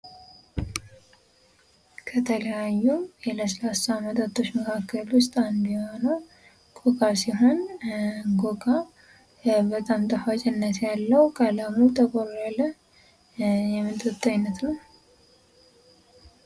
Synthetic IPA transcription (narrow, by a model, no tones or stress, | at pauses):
kʰət̪ʰələjajːujɛləslasamət̪ʼat̪ʰʼːo̞t͡ʃːməkʰakʰːəlwʊst̪ʼand̪ujhonəw | kʼokʼasiɦo̞n | ɡokʼa | bət̪ʼamt̪ʼəfat͡ʃʼɪnːət̪jalːəwkʼʰalamut̪ʰəkʼoɾalə | jɛmːɨnt̪ʼət̪ʼːaɲnːət̪nəw